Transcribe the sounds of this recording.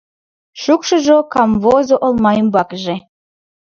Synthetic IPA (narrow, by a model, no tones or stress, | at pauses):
ʃukʃəʒokɑmvozoʔolˠmɑjəmbɑkʒe